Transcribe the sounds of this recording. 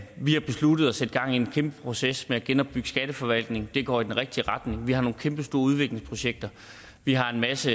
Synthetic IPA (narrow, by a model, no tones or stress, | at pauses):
ʋihɑ̈b̥e̝slud̥əð̞̩ˠæsed̥̚ɡ̥ɑ̈ŋ̰ienkʰemb̥əpʰʁo̝sesmeæɡ̥enɒ̽b̥yɡ̥əsɡ̥æɾ̥əfɒ̽ʋæl̰d̥ne̝ŋ̩d̥e̝ɡ̥ɒ̰ːid̥enʁɛɡ̥̚d̥iəʁɑ̈d̥ne̝ŋʋihɑ̈no̝ːn̩kʰemb̥əsd̥o̝ːɐuð̞ˠʋe̝ɡ̥le̝ŋspʰʁo̝ɕeɡ̥̚d̥ɐ | ʋiɦɑ̈e̝nmæsə